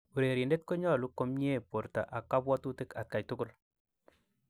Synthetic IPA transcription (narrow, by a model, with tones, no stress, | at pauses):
u˨ɾe˨ɾi˨nde˦t̚ko˦ɲɔ˦lu˦ko˦mɲ˦e˦˨po˨ɾta̰˨ʔa˨kːa˦bwɔ˦tu˦tɪ˦ka˨t̚ka˨jtʊ˦kʊ˦l